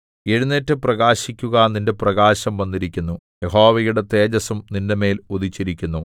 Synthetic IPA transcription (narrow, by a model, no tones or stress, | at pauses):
e̞ɻunːetːɨprɐɣaːɕikʲːuɣɐninde̞prɐɣaːɕɐmʋɐnːiɾikʲːunːu | jeɦo̞ːʋejuɽe̞t̪e̞ːd͡ʑɐsumnindeme̞ːlud̪it͡ɕːiɾikʲːunːu